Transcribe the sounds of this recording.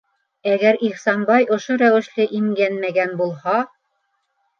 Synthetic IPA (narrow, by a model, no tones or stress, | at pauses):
æɡæɾiχsɑnbɑjʔŏʃoɾæwɘ̆ʃlɘʔimɡænmæɡænbulˠhɑ